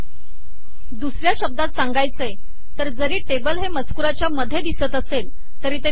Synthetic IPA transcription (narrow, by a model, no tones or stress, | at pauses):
d̪usɾjaɕəb̚d̪at̪saŋɡajt͡səe | t̪əɾd͡zəɾiːʈebəlɦemət͡skuɾat͡ɕjaməd̪ʱːed̪isət̪əsel | t̪əɾiːt̪ə